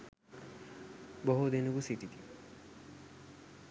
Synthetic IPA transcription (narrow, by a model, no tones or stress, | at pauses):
bɔɦud̪inuɡusit̪it̪i